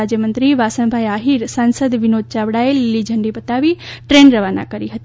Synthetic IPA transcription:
ad͡ʒjəmə̃nt̪ɾiʋaːsənbʱaːjaːɦiɾsaːnsəd̪ʋɪnoːd̪̚t͡ʃaːʋɽaːelilid͡ʒʱɐɳɖibɐt̪aːʋiʈɾeːnɾɐʋaːna̰kɐɾiɦɐt̪

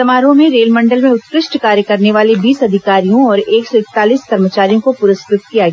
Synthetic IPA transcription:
ɐmaːɾõmẽɾeːlmɐ̃ɳɖəlmẽʊt̪̚pɾɪʃʈkaːɾjəkɐɾneʋaːlebiːsɐd̪ʱɪkaːɾijõɔːɾeːksɔɪk̚t̪aːliːskɐɾmət͡ʃaːɾijõkopʊɾɪskɾɪt̪̚kijaɡɛa

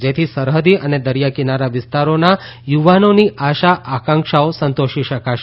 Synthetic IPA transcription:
d͡ʒet̪ʰisəɾɦəd̪iʔəned̪əɾjakinaɾaʋɪst̪aɾonajuʋanoniaʃaʔakãŋkʃaosənt̪oʃiʃəkaʃ

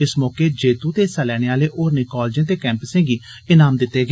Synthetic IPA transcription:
ɪsmɔːkeːd͡ʒeːt̪uːt̪eːsaːlɛːɽ̃eːaːleːʔoːɾneːkaːld͡ʒẽːt̪eːkɛ̃ːmpəsɪ̃ːŋɡiː | ɪnaːmd̪ɪt̪ːeːɡ

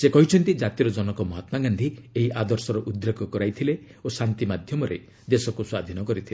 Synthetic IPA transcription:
sekɔɦit͡ʃʰɔnt̪id͡ʒat̪iɾɔd͡ʒɔnɔkɔmɔɦɔt̪maɡand̪ʱieɦiʔad̪ɔɾsɔɾɔʔud̪ɾekʰɔkɔɾajt̪ʰile | osant̪imad̪ʱjɔmɔɾḛ | d̪esɔkuswad̪ʱinɔkɔɾit̪ʰile

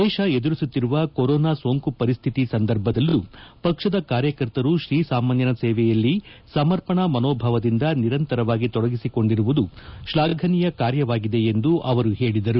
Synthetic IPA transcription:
d̪ɛːʃɐed̪uɾisut̪ːiɾuʋɐkoɾɔːnaːso̞ːŋkupɐɾist̪ʰit̪isɐnd̪ɐɾbʱɐd̪ɐlːupɐkʂɐd̪ɐkaːɾjɐkɐɾt̪ɐɾuʃɾiːsaːmaːnjɐnɐseːʋɛjɐlːisɐmɐɾpɐɳɐmɐnoːbʱɐʋɐd̪ind̪ɐniɾɐnt̪ɐɾɐʋaːɡit̪ɔɽɐɡisiko̞ɳɖiɾuʋud̪uʃlaːɡʱɐnijɐkaːɾjɐʋaːɡid̪e̞end̪uʔɐʋɐɾuhe̞ːɭid̪ɐɾu

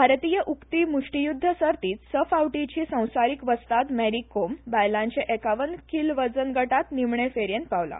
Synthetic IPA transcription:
bʱaɾt̪ijəʔukt̪iːmuʂʈijud̪ʱːəsəɾt̪iːt͡ssəfawʈit͡ɕiːsə̃w̃saɾikʋəst̪at̪mæɽikːombajlãɲt͡ɕeʔekaʋənkilʋəd͡zənɡəʈat̪nimɳefeɾjent̪̚paʋla̰

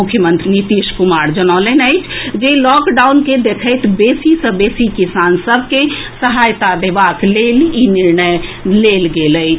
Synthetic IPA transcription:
ukʰjəmənt̪ɾinit̪iʃkumaɾd͡ʒənələnəɪt͡ʃʰd͡ʒelɔkɖawnked̪ekʰəjt̪ʰbesisə̃besikisansəbʱkesəɦajt̪ad̪ebakleliniɾnəjlelɡeləɪt͡ʃʰ

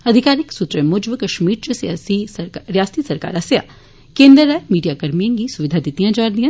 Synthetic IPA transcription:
ɐd̪ʱɪkaːɾɪksʊt̪ɾəmʊd͡ʒʋəkɐʃmiːɾt͡ʃəsijaːsiɾjaːsisɐɾka̰ːɾɐsja̰ː | kẽːnd̪ɾəːɛmiːɖijakɐɾmijãŋɡisʊʋɪd̪ʱad̪ɪt̪ijãd͡ʒaːɾd̪ijɐ̃

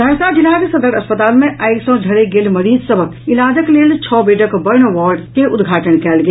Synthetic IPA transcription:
d̪ʱɐɾsad͡ʒɪlaːɡsɐd̪əɾɐspət̪aːlmẽʔaɪksɔ̃ɖʱɐɾeɡelmɐɾiːd͡ʒ̪sɐbʱəkɪlaːd̪əkleːlt͡ʃʰɔːbeːʈəkbəɾnəʋɔːɾɖkeʊd̪ɡʱaːʈənkɛːlɡɐ

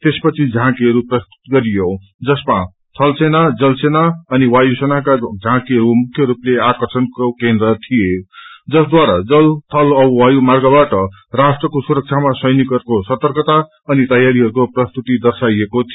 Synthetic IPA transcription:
t̪espʌt͡sʰid͡zʱãkiɦʌɾuprʌst̪u̥t̪ɡʌɾijo | d͡zʌspã | t̪ʰʌlsenad͡zʌlsenaʌniwajusʌnakad͡zʱãkiɦʌɾumukʰjʌɾupleakʌrsʰʌnkokend̪rʌt̪ʰijed͡zʌsd̪waɾad͡zʌlt̪ʰʌlʌbwajumarɡʌbaʈʌ | rasʈrʌkosuɾʌk̚t͡sʰamasʌjnikʌrkosʌt̪ʌrkʌt̪a | ʌnit̪ʌjaɾiɦʌɾukoprʌst̪ut̪id̪ʌrsajekot̪ʰ

